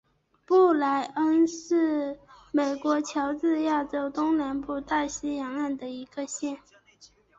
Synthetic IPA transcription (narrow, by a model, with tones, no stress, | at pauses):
pu˥˩la˧˥ɪə˥nʂɻ̩˥˩me˨˩ɪkwɔ˧˥t͡ɕʰjɑ˧˥ʊt͡sɹ̩˥˧ja˥˩ʈ͡ʂo˥ʊt̪ʊ˥ŋna˧˥npu˥˧t̪a˥˩ɕi˥jɑ˧˥ŋa˥˩nd̪ə˩i˧˥ɡ̥ə˧ɕjɛ˥˩n